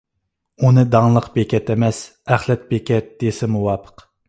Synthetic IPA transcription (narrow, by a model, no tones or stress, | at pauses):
unɨd̪ɑŋlˠəqbekʲɛt̪emɛs | æχlɛt̪̚bekʲʰɛt̪̚d̪̥esɪmuwɑːpʰə̥q